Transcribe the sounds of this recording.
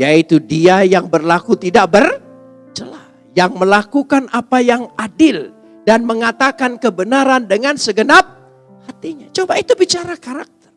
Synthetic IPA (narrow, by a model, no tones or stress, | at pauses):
jait̪udiajaŋbərlakut̪idaʔ̚bər | t͡ʃəla | jaŋməlakukanapajaŋadɪl | danməŋat̪akankəbənaɾandəŋansəɡənap̚ | hat̪iɲat͡ʃobait̪ubit͡ʃaɾakaɾak̚t̪ər